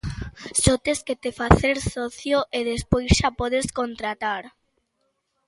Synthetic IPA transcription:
sɔt̪esket̪efaθeɾsɔθjoʔeðespojsʃapɔðeskont̪ɾat̪aɾ

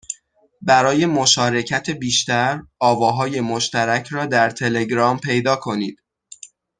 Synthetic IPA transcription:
bæɾɒːje̞mo̞ʃɒːɾe̞cʰæt̪ʰebiːʃt̪æɾɒːvɒːɦɒːje̞moʃt̪æɾæcʰɾɒːd̪æɾt̪ʰe̞le̞ɡɾɒːmpʰe̞jd̪ɒːkʰo̞niːd̪̥

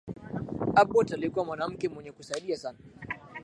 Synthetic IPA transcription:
ʔabːotaleɡʷɔmɔnamkʲemuɲekʷusaɗɪjasan

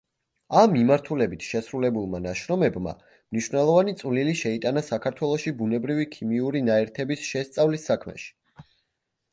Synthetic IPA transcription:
amːimaɾt̪ʰulɛbit̪ʰʃɛsɾulɛbulˠmanaʃɾɔmɛbma̰ | mniʃwvnɛlˠɔvanit̪sʼvliliʃɛit̪ʼanasakʰaɾt̪ʰwɛlˠɔʃibunɛbɾivikʰimiuɾinaɛɾt̪ʰɛbisʃɛst̪sʼavlisːakʰmɛ̰ʃi̥

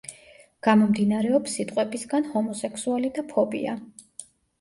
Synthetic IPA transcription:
ɡ̥amɔmd̪inaɾɛɔpsːit̪ʼqʼwɛbisɡanhɔmɔsɛkʰsualid̪apʰɔbḭa̰

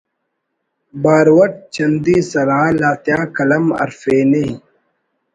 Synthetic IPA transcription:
baːɾwɐʈ̚t͡ɕʰɐnd̪iːsɐlaːlaːt̪jãːkɐlɐmɐ̰ɾfeːne

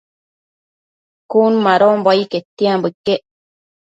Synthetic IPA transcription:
kuːnmaɾoːmboiket̪ːiãmbɯkːe

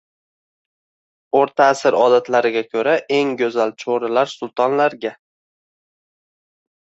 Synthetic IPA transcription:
oɾt̪ʰaːsɪɾɒd̪at̪laɾɪɡʲakʲʰɵɾaʔe̞ŋɡʲɵzalt͡ʃʰoɾɪlaɾsʊlˠt̪ʰɒnlaɾɡʲa

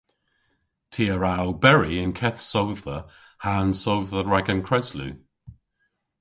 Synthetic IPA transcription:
tʰiːəɹawbɛɹiɪnkʰɛθsowðə | haːnsowðəɹaɡənkʰɹɛzlʉ̰

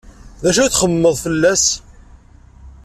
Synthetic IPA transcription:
ðæʃæθχəmːəðˤfəlːæs

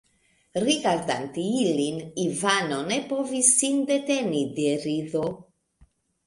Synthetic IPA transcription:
ɾiɡaɾd̪ant̪iilinivanonepovisːind̪et̪enid̪eɾiðo

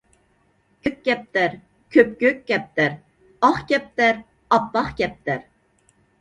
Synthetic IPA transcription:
kʲʰøk̚ʲːɛp̚t̪æɾ | kʲʰøpkʲøkʲkʲːɛp̚t̪æɾ | ɑχkʲɛp̚t̪æɾ | ɑpːɑχkʲɛp̚t̪æɾ

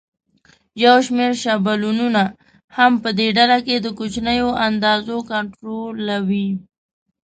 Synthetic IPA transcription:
jawʃmeɾʃabalununa | hampəd̪eɖalaked̪əkot͡ʃnəjoʔand̪ɑzokaɳʈɾolːawi

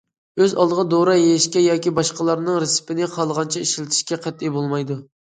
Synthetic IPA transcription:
øzɑ̰lˠd̪əʁɑd̪oɾɑjeɪʃkʲɛjɑːkʲibɑʃqəlˠɑɾnɨŋɾɪsɪ̥pɪnɪqʰɑlˠʁɑnt͡ʃʰɛiʃlɪt̪ʰɪ̥ʃkʲɛqʰɛt̪ːibolˠmɑjd̪u

